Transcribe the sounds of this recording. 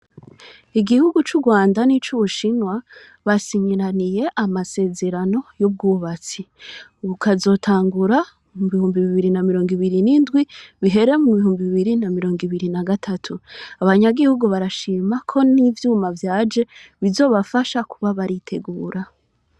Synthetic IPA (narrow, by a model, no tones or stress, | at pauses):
iɡihuɡut͡ʃuɡwaːndanit͡ʃuβuʃinwa | βasiɲiɾanije̞ʔamase̞ːze̞ɾano̞jub̚ɡuːβat͡siβukazo̞tʰaːŋɡuɾa | muβihuːmbiβiβiɾinamiɾo̞ːŋɡiβiɾinindɡwiβiɦe̞ɾe̞muβiɦuːmbiβiβiɾinamiɾo̞ːŋɡiβiɾinaɡatʰatʰuaβaɲaɡihuɡuβaɾaʃiːmakʰo̞nivjuːmavjaːd͡ʒe̞βizo̞ːβafaʃakʰuβaβaɾitʰe̞ɡuːɾa